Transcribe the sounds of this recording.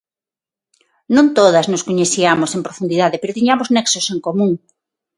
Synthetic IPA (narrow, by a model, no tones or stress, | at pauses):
nõnt̪oðɐznoskoɲeθiamosempɾofund̪iðaðepeɾot̪iɲamoznɛksoseŋkomũŋ